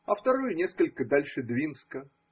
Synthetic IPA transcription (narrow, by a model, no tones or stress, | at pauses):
ɐft̪ɐɾujʊnʲe̞skəlʲkəd̪alʲʂɨd̪vʲinskə